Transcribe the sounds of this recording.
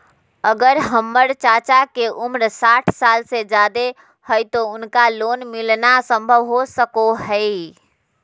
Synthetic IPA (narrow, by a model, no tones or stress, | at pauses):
əɡəɾɦəmːəɾt͡ʃat͡ʃakeʔumɾsaʈʰsalsed͡ʒad̪e | həjt̪ounkalonmilnasə̃mbʱəʋɦosəkoɦəɪ